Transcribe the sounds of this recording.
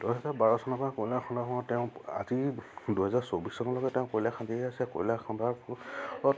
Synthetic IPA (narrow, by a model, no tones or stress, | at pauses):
duɦɛɦɛzabaɹɔsɔnɔpakolaxʰɔnɔkɔɔtɛʊ̃a̰ziduɦɛzaɹsobissɔnɔlɔɡɛteʊ̃kolakʰãndiasɛko̰lakʰɔnbaɹpuɔ